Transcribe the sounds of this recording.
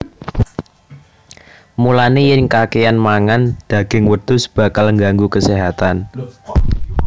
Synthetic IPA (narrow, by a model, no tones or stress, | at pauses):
mulanejɪnkakejanmaŋand̪̥a̤ɡ̥ɪŋwət̪ʊsb̥a̤kalŋɡaŋɡukəseɦat̪an